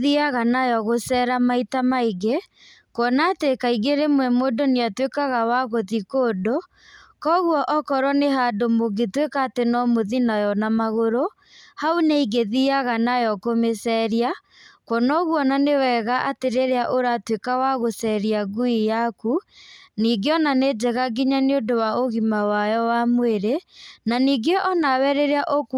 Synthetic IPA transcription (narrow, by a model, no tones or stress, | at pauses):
ðiaɣanajɔɣosɛɾamaitamaiɡe | kwɔnatekaiɡeɾemwɛmodoneatwekaɣawaɣoðikoːdo | kɔɣwɔʔɔkɔɾɔneɦadomoɡetwekaːtenɔmoðinajɔnamaɣoɾo | hauneiɡeðiaɣanajɔkomesɛɾia | kwɔnɔɣwɔnanewɛɣaʔateɾeɾeaʔoɾatwekawaɣosɛɾiaɡuijakuniːɡeɔnaned͡ʒɛɣaɡiɲaneodowaoɣimawajɔwamweɾenaniɡeʔɔnawɛɾeɾeaʔok